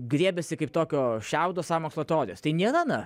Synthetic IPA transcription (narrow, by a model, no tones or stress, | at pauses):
ɡɾʲiɛbʲɛsʲɪkɐɪpt̪oːkʲoːʃʲɛʊd̪oːsɑːmoːkslˠoːt̪ʲɛoːɾʲɪjoːst̪ɐɪnʲiɛɾɐnɐ